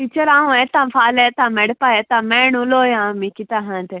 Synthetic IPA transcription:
it͡ʃɐɾãːũet̪ãmfaːlet̪amɛɽpajet̪ameɳuloːjaːmikit̪aɦãnt̪e

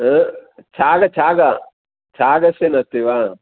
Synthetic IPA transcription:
t͡ʃaːɡɐt͡ʃaːɡɐ | t͡ʃaːɡɐsenɐt̪iʋa

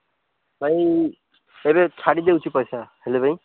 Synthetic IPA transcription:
bʱaj | ebet͡sʰaɽid̪eut͡ʃʰipɔjsahelebʱaj

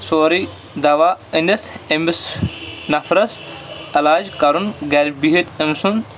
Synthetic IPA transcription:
soːɾi | d̪ɐʋaːinit̪emisnɐfɾɐsɐlaːd͡ʒkɐɾunɡɐɾbiɦit̪emsun

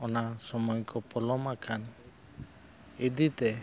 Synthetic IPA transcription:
ɔnasɔmɔjkɔpɔlɔmakʰan | id̪it̪ɛ

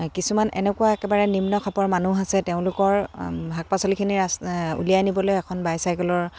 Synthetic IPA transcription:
kisumanɛ̰nɛkuaɛkɛbaɹɛnimnɔkʰapɔɹmanuɦasɛteʊ̃lʊkɔɹɦak̚pasɔlikʰiniɹasṵlijajnibɔlojɛkʰɔnbajsajɡɔlɔɹ

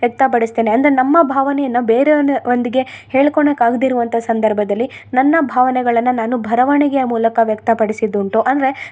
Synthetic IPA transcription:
jɐk̚t̪ɐpɐɽist̪e̞ːneɐnd̪ɐɾenɐmːɐbʱaːʋɐnɛjɐnːɐbe̞ːɾeond̪iɡe̞heːɭkoɳɐkaːɡd̪iɾuʋɐnt̪ʰɐsɐnd̪ʱɐɾbʱɐd̪ɐlːi | nɐnːɐbʱaːʋɐnɛɡɐɭɐnːɐnaːnubʱɐɾɐʋɐɳɛɡejɐmuːlɐkɐʋjɐk̚t̪ɐpɐɽisid̪ːuɳʈuʔɐnd̪ɐɾe̞

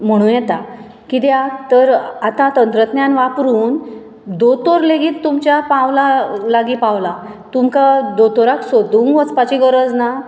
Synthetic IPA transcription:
m̤əɽ̃ũjɛt̪a | kid̪jat̪əɾat̪at̪ənt̪ɾət̪njanʋapɾuːn | d̪ot̪oɾleɡiːt̪ːumt͡ɕjapãʋlalaɡipãʋla | t̪umkad̪ot̪oɾaksod̪uːŋɡʋət͡spat͡ɕiɡəɾəd͡zna

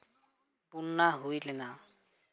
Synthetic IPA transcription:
punːaɦojlɛna

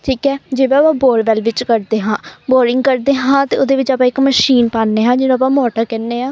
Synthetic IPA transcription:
ʈʰiːkɛːd͡ʒeːʋeːpãːboːɖʋɛːlʋɪt͡ʃkəɾd̪eːɦãːboːɾɪŋɡkəɾd̪eːɦãːt̪eːoːd̪eːʋɪt͡ʃaːpãːɪkməʃiːnpaːnːeːɦãːd͡ʒɪnõːp̬ãːmɔːʈəkɛːnːeːɦãː

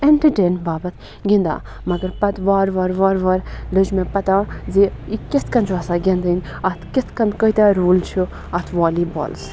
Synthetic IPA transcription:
eɳʈəʈeːnbaːbɐt̪ʰ | ɡĩnd̪a̰ː | mɐɡəɾpɐt̪ʋaːɾʋɐɾʋaːɾʋɐɾlɨd͡ʒmẽpɐt̪ãːzeikest̪kɐnt͡ʃʰɐsaːɡend̪ənʲ | ɐt̪ʰkest̪ʰkɐnd̪kəit̪aɾuːlt͡ʃʰu | ɐt̪ʰʋaːliːbɔ̰ːls

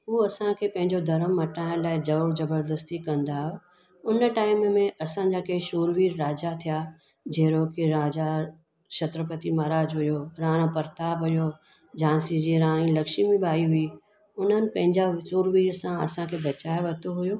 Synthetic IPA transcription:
ɦuːɐsãkʰeːpɐ̃ɦɪ̃ɲd͡ʑod̪ʱɐɾəmːɐʈaːɪ̃ñlaːɪd͡ʑɐʋɽd͡ʑɐbəɾd̪əst̪ikɐ̃nd̪aːɦo | ʊnʈaːɪmmẽɐsãd͡ʑakeɪʃuːɾʋiːɾɾaːd͡ʑat̪ʰija | d͡ʑeːɾokʰeɾaːd͡ʑa | ʃɐt̪ɾəpət̪imaːɾaːd͡ʑɦʊjoɾãːɽ̃opɐɾt̪aːbɦʊjo | d͡ʑãːsid͡ʑiɾãːɽ̃ĩlɐkʃimẽɓaːiɦʊi | ʊn̤ənɪ̆pɐ̃ɦɪ̃ɲd͡ʑaʃuːɾʋiːɾsãɐ̰sãkʰeːbɐt͡ɕaːeʋɐt̪oɦʊjoː

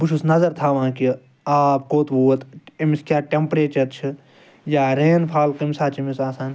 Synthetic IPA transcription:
buʃʰusnɐzɐɾt̪ʰaːʋãːki | aːpkoːt̪buːɐt̪emiskʲjaːʈempɾeːt͡ʃɐɾt͡ʃʰi | jaːɾeːnpʰaːlkɐmʲsaːt͡ʃimisaːsaːn

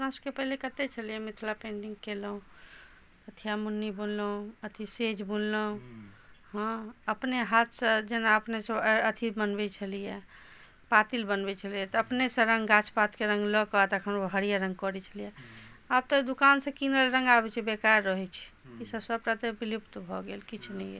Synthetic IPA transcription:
əpnasəbkepəɦilekət̪et͡ʃʰəlijɛmit̪ʰlapẽɳɖiŋɡkelɦũ | ət̪ʰijamunːibunləɦũət̪ʰised͡ʒbunləũ | ɦə̃əpneɦat̪sə̃d͡ʒenaəpnesə̃ət̪ʰibənbɛt͡ʃʰəlijɛ | pat̪ilbənbɛt͡ʃʰəlijɛt̪ɔəpnesə̃ɾə̃ŋɡɡat͡ʃʰpat̪keɾə̃ŋɡlɔkɔt̪əkʰənɦəɽijaɾə̃ŋɡ̚kɔɾɛt͡ʃʰəlijɛ | ab̚t̪ɔd̪ukansə̃kinəlɾə̃ŋɡabɛt͡ʃʰibekajɾːəɦɛt͡ʃʰɛ̥isəbsəb̚ʈat̪ebilipt̪bʱɔɡelkit͡ʃʰnəiɛ̰

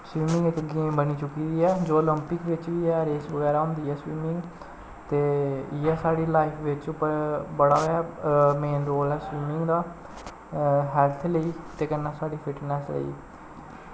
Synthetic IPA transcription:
sʋiːmɪ̃ŋɡɪk̪ɡiːmbəniːt͡ʃʊkiːd̪iːɛːd͡ʒoːələmpɪkʋɪt͡ʃʋiːɛːɾeːsʋəɡɛːɾaːɦʊ̃ːnd̪iːɛːsʋiːmɪ̃ŋɡ | t̪eːɪɛːsaːɽiːlaːɪpʰʋɪt͡ʃʊpəɾbəɽaːɦoɛːmeːnɾoːlɛːsʋiːmɪŋɡd̪aː | ɦɛlt̪ʰləiːt̪eːkənːaːsaːɖiːpʰɪʈnɛslə̰ḭː

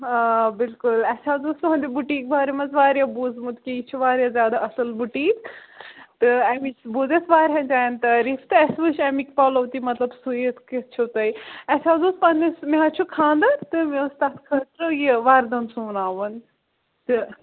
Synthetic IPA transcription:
bɪlkʊlɐt͡ʃʰaːzuːst̪pɐɦɐ̃nd̪ʲebuʈiːk̚bʱaːɾemɐzʋaːɾjabuːzmut̪kiit͡ʃʰuʋaːɾjazʲjaːd̪aʔɐsɐlbuʈiːk | t̪ɨɐmibuːzesʋaːɾɦɐ̃nt͡ʃaːjɐnt̪ɐɾiːft̪ɨɐsʋɨʃɐmikpɐːlɐwt̪imɐt̪lɐbsujit̪kit͡ʃʰot̪ɐjɐt͡ʃʰaːzuːspand̪esmeɦɐt͡ʃʰukʰãːnd̪ɐt̪ɨmẽust̪aːt̪kʰɐt̪ɾəjiʋaːɾd̪ɐnsuːnaːʋɐn | t̪ɨ

